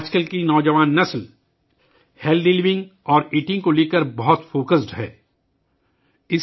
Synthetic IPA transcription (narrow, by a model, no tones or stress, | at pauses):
aːt͡ʃkəlkinɔːd͡ʒəʋaːnːɐsl | helɖɪliʋɪ̃ŋɡɔːɾiːʈɪ̃ŋɡkoleːkəɾbɐɦʊt̪foːkəsʈɦɛ̰ː | ɪs